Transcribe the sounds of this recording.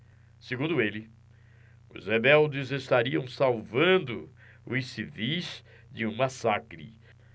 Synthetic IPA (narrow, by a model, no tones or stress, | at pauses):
seɡũnd̪ʊelɪ | ʊ̰zhebɛwd͡ʒɪzest̪aɾiɐ̃w̃sawvɐ̃nd̪ʊ | ʊisivis | d͡ʒɪũmasakɾɪ̰